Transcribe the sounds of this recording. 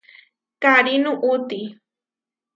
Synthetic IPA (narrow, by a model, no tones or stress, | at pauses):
kaɾinʊʔʊt̪i